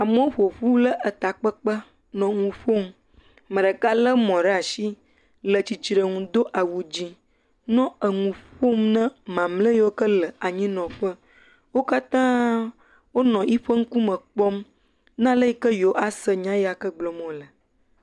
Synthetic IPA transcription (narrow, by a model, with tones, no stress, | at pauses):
a˨mə̃˦o˦ɸo˨ɸu˦lə˦ʔə˨t̪a˨k͡pə˦k͡pə˦ | nɔ̃˨ŋũ˨ɸo˦m | mə̃˨ɖə˨ka˦lə˦mɔ̃˨ɖa˨ʃi˦ | lə˨t͡ɕi˨t͡ʃi˨ɾə˨ŋũ˨d̪o˦ʔa˨wu˨d͡ʑi˦ | nɔ̃˦ə˨ŋũ˨ɸo˦mnə̃˦mã˨mlə˦jwo˦kə˦lə˨a˨ɲĩ˦nɔ̃˨ɸə˦ | wo˦ka˦t̪ã˦ | wo˦nɔ̃˨ʔi˦ɸə˦ŋ̩˦ku˦mə̃˨k͡pɔ˦m | nã˦lə˦ji˦kə˦jo˨˦ʔa˦sə˨ɲã˦ja˨kə˦ɡ͡blɔ˨mɔ̃˨lə˨